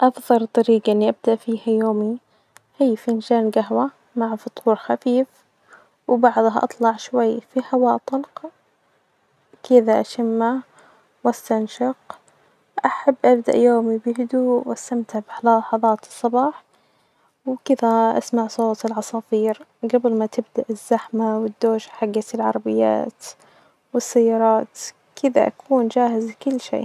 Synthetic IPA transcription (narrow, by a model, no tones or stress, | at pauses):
ʔɑfðˤɑlt̪ˤɑɾiːɡaʔɪnːiʔab̚d̪aʔfiːhajoːmi | hiːfinʃaːnɡaɦwa | maʕfɨt̪ˤʰuːɾxafiːf | wbɑʕðˤʔɑ̰t̪ˤlɑʕʃwajːfihawaːʔt̪ˤɑlq | kɪðaʔaʃamːa | wʔast̪anʃɪq | ʔaħabːʔabd̪a̰ʔjoːmibɪhʊd̪uwʔast̪amt̪ɪʕbɪħlɑːħɑðˤɑːt̪ɨ̥sˤːɑbɑːħ | wkɪðaʔa̰smaʕsˤoːt̪ɪlʕɑsˤɑːfiːɾɡablmat̪ɪbd̪aʔɪzːaħmawɪt̪̚d̪oːʃħaɡːat̪ɪlʕɑ̰ɾˤɑbɪjːa̰ːt̪ | wɪsːajːɑːɾˤɑːt̪ | kʰɪða̰ʔa̰kʰuːnd͡ʒaːhɪzkʊlːʃḛː